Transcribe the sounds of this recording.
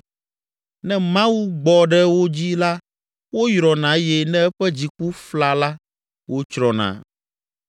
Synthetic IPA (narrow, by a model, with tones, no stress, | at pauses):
nɛ̃˦mã˦wu˦ɡ͡bɔ˨ɖɛ˦wo˦d͡ʑi˦la˦ | wo˦jɾɔ˨nã˨˦jɛ˦nɛ̃˦ɛ˦ɸɛ˦d͡ʑi˨k͡pu˦fla˨la˦ | wo˦t͡ʃɾɔ˨nã̰˨